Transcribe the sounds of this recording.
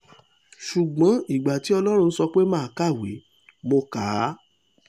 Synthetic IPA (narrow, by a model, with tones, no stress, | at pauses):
ʃu˨ɡ͡bã˨˦i˦˨ɡ͡ba˨ti˨˦ɔ˧lɔ˦ɾ̃ũ˧˦sɔ˧k͡pe˦mãː˦˨ka˦˨we˨˦ | mo˧kaː˨˦